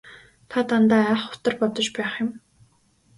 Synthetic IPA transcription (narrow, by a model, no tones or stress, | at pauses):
t̪ʰat̪ant̪aːæχʊ̥t̪ə̆rpɔt̪ɞ̆t͡ɕpæːχjʊm